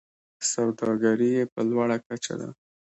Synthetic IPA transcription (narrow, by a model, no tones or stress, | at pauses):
sawd̪ɑɡaɾijepəlwaɽakat͡ʃa̰d̪a̰